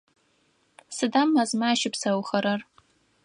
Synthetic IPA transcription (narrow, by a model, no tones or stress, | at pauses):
sɨdamːazmaːʃɪpʰsawχɐɾar